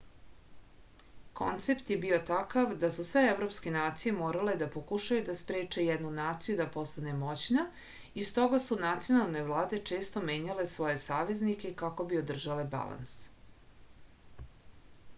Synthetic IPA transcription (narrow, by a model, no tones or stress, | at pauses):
ko̞̰nt̪se̞pt̪jebio̞t̪akaʋd̪asusʋe̞evɾo̞pske̞naːt̪sije̞moːɾale̞d̪apokuʃajud̪aspɾeːt͡ʂe̞jɛd̪nunaːt̪sijud̪apo̞st̪ane̞mo̞t͡ɕna | ist̪o̞ɡasunat̪sijo̞nalˠno̞jvlˠaːd̪et͡ʂe̞ːst̪o̞me̞ːɲale̞sʋo̞je̞saːʋe̞znikʲekako̞bio̞d̪r̩ʒale̞ba̰lˠa̰ns